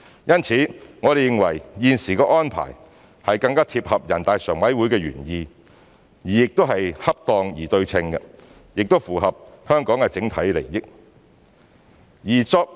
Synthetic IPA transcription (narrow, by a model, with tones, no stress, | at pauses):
jɐ˥nt͡sʰiː˨˥ŋɔː˨˧ɾe˨jɪ˨˧ŋwɐ̰˨˩jjiː˧nsiː˨˩kɛː˧ʔɔː˥npʰa̰ː˨˩j | hɐ˨jkɐ˧ŋkaː˥t̪ʰiː˧p̚hɐ˨p̚jɐ˨˩nt̪aː˨jsœː˨˩ŋwɐ˨˥jwu˨˥jkɛː˧ɥy̰ː˨˩njiː˧ | jiː˨˩jɪ˨k̚t̪o˥wɦɐ˨jhɐ˥p̚t̪ɔː˨˧ŋjiː˨˩t̪ɵ˧ɥt͡sʰɪ˧ŋkɐ˧ | jɪ˨k̚t̪o˥wfuː˨˩ɦɐ˨p̚hœː˥ŋkɔː˨˥ŋkɛ˧t͡sɪ˨˥ŋt̪ʰɐ˨˥jlḛ˨˩jjɪ˥k̚ | jiː˨˩t͡sɔː˧k̚